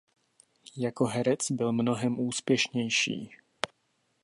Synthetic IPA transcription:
jako̞ɦɛɾɛt͡sbɪlmno̞ɦɛmʔuːspjɛʃɲɛjʃḭː

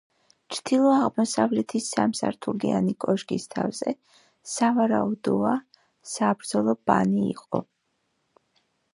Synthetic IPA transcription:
t͡ʃʰd̪̥ilˠɔaʁmɔsavlɛt̪ʰisamsa̰ɾt̪ʰuɡia̰nikʼɔʃɡist̪ʰavz̥ɛ | savaɾaud̪ɔa | sabɾd̪zɔlˠɔba̰nḭːqʼɔ̰

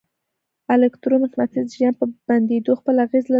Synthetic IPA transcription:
alekt̪ɾomɪxnat̪izʒan̚pəb̥and̪ed̪oxpəlaɣezla

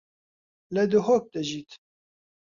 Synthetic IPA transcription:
lɛd̪ɨɦoːk̚d̪ɛʒiːt̪

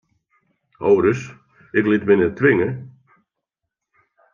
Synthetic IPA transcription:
howɾəs | ɪklɪtmɪnɛtʰʋɪŋə

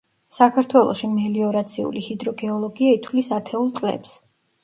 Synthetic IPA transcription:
sakʰaɾt̪ʰwɛlˠɔ̰ʃimɛliɔɾat̪sʰiṵlihid̪ɾɔɡɛɔlˠɔɡiait̪ʰwlisat̪ʰɛulˠt̪sʼlɛ̰ps

